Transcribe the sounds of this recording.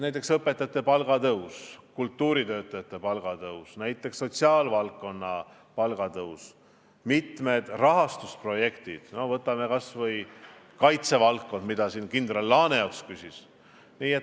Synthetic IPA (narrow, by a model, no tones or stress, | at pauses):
næjt̪ːˑeksɤpːe̞t̪ːˑɑt̪ːe̞pɑlɡ̥ɑt̪ɤuskult̪ːuːɾit̪ø̞ːt̪ːˑɑjɑt̪ːˑe̞pɑlɡ̥ɑt̪ɤwsnæjt̪ːˑe̞ksːo̞t̪siɑːlvɑlkːo̞nːɑ | pɑlɡ̥ɑt̪ɤus | mit̪med̪̥rɑɦɑst̪uspro̞je̞kt̪id̪̥no̞vɤt̪ːˑɑme̞kɑsvɤj | kɑjt̪se̞vɑlkːo̞nd̪̥mid̪ɑsiːnkind̪rɑlːɑːne̞ok̪skysʲis | niːet